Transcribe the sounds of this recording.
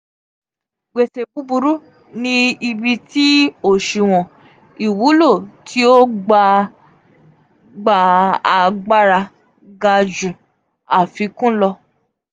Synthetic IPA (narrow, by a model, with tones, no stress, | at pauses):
ɡ͡be˨te˨bu˨˦bu˧ɾu˦ | nĩ˧i˧bi˧ti˦o˦˨ʃi˨w̃ɔ̃˨ | i˨wu˨˦lo˦˨tʰi˦o˦ɡ͡ba˧ | ɡ͡ba˧a˧ɡ͡ba˦ɾa˧ | ɡa˧d͡ʒũ˨ | a˨fi˨˧kũ˦lɔ˧